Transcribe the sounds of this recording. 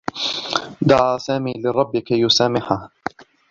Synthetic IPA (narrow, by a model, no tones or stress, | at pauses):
d̪aʕaːsaːmiːlɪɾˤɑbːɪkajʊsaːmɪħah